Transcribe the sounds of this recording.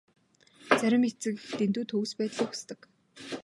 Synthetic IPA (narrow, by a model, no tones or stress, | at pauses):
t͡sæɾʲɪ̆met͡sɘ̆kt̪ent̪uːt̪ʰxɵwspæːt̪ɮiːxu̥st̪ə̆k